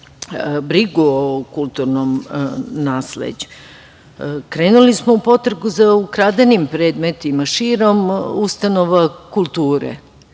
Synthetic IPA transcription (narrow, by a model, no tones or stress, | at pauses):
bɾiɡuokulˠt̪uɾnomnaːslḛd͡ʑu̥ | kɾeːnulismoupo̞t̪ɾeɡuzaukɾad̪animpɾe̞ːd̪met̪imaʃiːɾo̞must̪anoʋakulˠt̪uːɾḛ